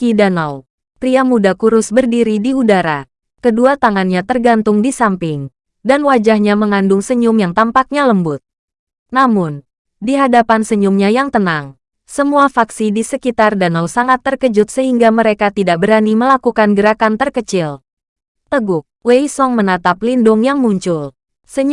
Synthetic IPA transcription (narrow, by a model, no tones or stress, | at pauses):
kidanaw | pɾiamudakuɾʊsbərdiɾidiudaɾa | kəduat̪aŋanɲat̪ərɡant̪ʊŋdisampɪŋ | danwad͡ʒahɲaməŋandʊŋsəɲʊmjaŋt̪ampak̚ɲaləmbʊt̪̚ | namʊn | diɦadapansəɲʊmɲajaŋt̪ənaŋ | səmuafaksidisəkit̪ardanawsaŋat̪ːərkəd͡ʒʊt̪̚səɦiŋɡaməɾekat̪idaʔ̚bəɾaniməlakukanɡəɾakant̪ərkət͡ʃɪl | t̪əɡʊk̚weisɔŋmənat̪aplindʊŋjaŋmuɲt͡ʃʊl | sə